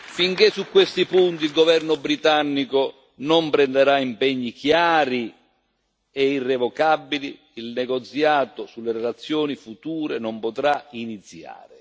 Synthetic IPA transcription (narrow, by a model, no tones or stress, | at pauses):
fiŋkɪsːukːwest̪ipunt̪ilɡɔvɛrnʊbɾit̪anːikʊ | nʊmpɾɛnd̪eɾaimpɛɲːikjaːɾi | ɛirːɛvɔkabːiliː | lnɛɡɔt̪sjaːt̪ʊsulːeɾɛlat̪sːjɔːnifut̪uːɾenɔmpɔt̪ɾainit̪sːja̰ːɾɪ